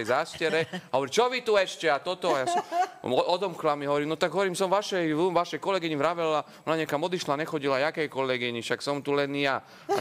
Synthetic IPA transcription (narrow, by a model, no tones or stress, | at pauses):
ɛjzaːʃcɛɾɛaɦɔʋɔɾit͡ʃɔʋit̪uɛʃcɛat̪ɔt̪ɔajasɔmɔd̪ɔmklamiɦɔʋɔɾiːmnɔt̪aɡɦɔʋɔɾiːmsɔmʋaʃɛjuʋaʃɛjkɔlɛɡiɲivɾaʋɛla | ɔnaɲɛakamɔd̪iʃlaɲɛxɔɟilajakɛjkɔlɛɡiɲifʃaksɔmt̪ulɛnja